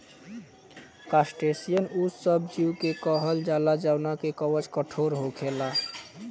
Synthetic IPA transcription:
kasʈesijənusəb̚d͡ʒiukekəɦəld͡ʒalad͡ʒaʊnakekəwət͡ʃkəʈʰoɾɦokʰela

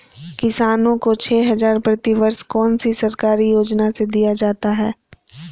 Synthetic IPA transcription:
kɪsaːnõkot͡ʃʰɛːɦɐzaːɾpɾɐt̪iʋəɾskɔːnsisɐɾkaːɾijoːd͡ʒnased̪ijad͡ʒaːt̪aɦɛː

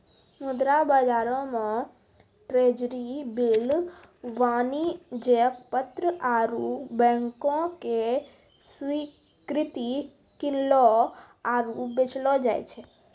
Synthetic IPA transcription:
mud̪ɾabəd͡ʒaɾomã | ʈɾed͡ʒɾibil | ʋanid͡ʒekpət̪ɾəʔaɾubɛ̃ŋkõke | sʋi | kɾɪt̪i | kɪnlo | aɾubet͡ʃlod͡ʒa̰jt͡ʃʰe

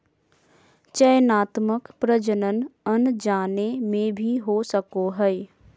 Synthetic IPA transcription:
t͡ʃəjənaːt̪məkpɾəd͡ʒənənənd͡ʒaːnemẽbʱiɦosəkoɦɛɛ

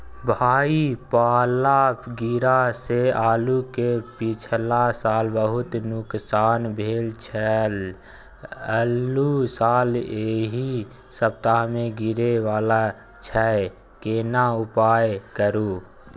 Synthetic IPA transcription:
bʱaːipaːlaɡiɾaseaːlukepɪt͡ʃʰlasaːlbəɦʊt̪nʊksaːnbʱeːlt͡ʃʰɛl | əlusaːleɦi | səpt̪amẽɡɪɾewaːla | t͡ʃʰɛ | keːnaʊpaːjkəɾu

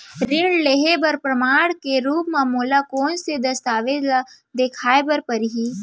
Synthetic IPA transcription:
ɾɪɳɖleɦebəɾpɾəmaːɽkeɾuːpmãmoːlakoːnsed̪ɐst̪aːʋed̪la | d̪ekʰaːebəɾpəɾɦiː

